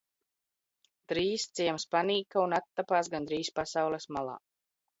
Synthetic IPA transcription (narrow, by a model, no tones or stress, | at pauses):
d̪ɾiːst̪siɛmspaniːkaunat̪ːapaːsɡand̪ɾiːspasawlɛsmalˠa̰ː